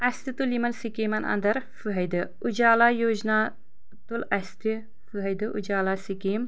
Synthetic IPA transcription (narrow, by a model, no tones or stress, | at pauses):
ɐst̪it̪ulimɐnsikimɐnɐ̰nd̪ɐɾfuɦɐjd̪ɨ | ud͡ʒaːlaːjoʒnaː | t̪ulɐst̪i | fuɦɐjd̪ɨʔud͡ʒaːlaːsikiːm